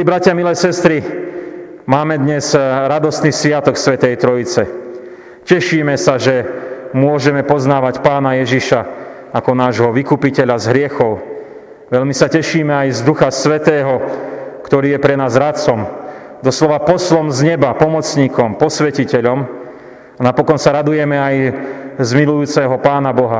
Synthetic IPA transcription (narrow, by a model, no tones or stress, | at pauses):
libɾacɪamilɛːsɛst̪ɾi | maːmɛd̪ɲɛzɾad̪ɔst̪niːsʋɪat̪ɔksʋɛt̪ɛjt̪ɾɔit͡sɛ | cɛʃiːmɛsaʒɛmʊɔʒɛmɛpɔznaːʋacpaːnajɛʒiʃa | akɔnaːʒɦɔʋikupicɛʎazɦɾɪɛxɔʊ | ʋɛʎmisacɛʃiːmɛajzd̪uxasʋɛt̪ɛːɦɔkt̪ɔɾiːjɛpɾɛnaːzɾat͡sɔm | d̪ɔslɔʋapɔslɔmzɲɛbapɔmɔt͡sɲiːkɔmpɔsʋɛcicɛʎɔm | anapɔkɔnsaɾad̪ujɛmɛajzmilujuːt͡sɛɦɔpaːnabɔɦa